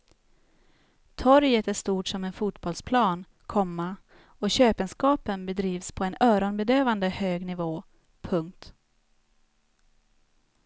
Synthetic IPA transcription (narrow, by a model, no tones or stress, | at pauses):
t̪ʰɔɾjət̪æʂt̪uːʈʂɔmɛnfuːt̪bɔlspʰlɑːn | kʰɔmːa | ɔɕøːpɛnskɑːpənbɛd̪ɾiːvspʰɔɛnœːɾɔnbɛd̪øːvand̪əhøːɡnɪvoː | pʰɵŋk̚t̪